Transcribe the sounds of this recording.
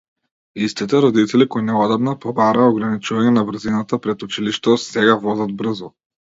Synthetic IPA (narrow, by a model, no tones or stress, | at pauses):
ist̪it̪ɛɾɔd̪it̪ɛlikɔjnɛɔd̪amnapɔbaɾaːɔɡɾanit͡ʃuvaɲɛnabr̩zinat̪apɾɛt̪ut͡ʃiliʃt̪ɔsɛɡavɔzad̪̚br̩zɔ